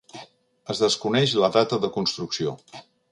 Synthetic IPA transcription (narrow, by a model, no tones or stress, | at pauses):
əzðəskunɛʃləðat̪əðəkunst̪ɾuksio